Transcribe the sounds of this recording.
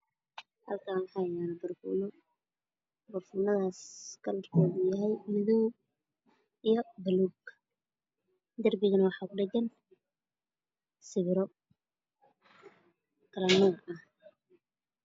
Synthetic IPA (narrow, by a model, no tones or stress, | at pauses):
hɐ̰lkʰaːnwɑħɑːjaːnɐbɐrfṵːnɔ | bɔrfunɐðaːskʰɐlrk̪ʰɔːðʊjɐɦɛjmɪðuw | ijɔbɐluːɡ | d̪ɐrbɪɣɐnɐwɑħɑːkʊɖɛd͡ʒɐn | sɪβɪɾɔ | kʰɐlɐnuːɐh